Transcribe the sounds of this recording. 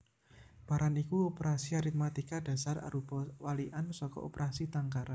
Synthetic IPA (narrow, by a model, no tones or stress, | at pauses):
b̥a̤ɾʔanikuopeɾasiaɾit̪̚mat̪ikad̥a̤sara̰ɾub̥ɔwaliʔansɔkɔ̰opeɾʔasit̪aŋkaɾa